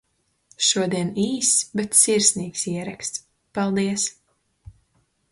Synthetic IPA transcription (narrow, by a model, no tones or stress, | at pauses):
ʃuɔd̪iɛniːsbɛt̪siɾsniːksʲiɛɾakst̪ | palˠd̪iɛs